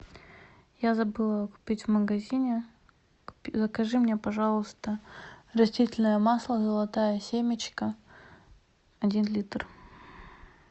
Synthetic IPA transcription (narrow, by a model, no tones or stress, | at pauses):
jazɐbɨlˠəkʊ̥pʲitʲvməɡɐzʲinʲɪ | zəkɐʐɨmnʲepɐʐalˠəst̪ərɐsʲtʲitʲɪlʲnəjəmaslˠəzəlˠɐt̪ajəsʲemʲɪt͡ɕkə | ɐdʲinlʲit̪r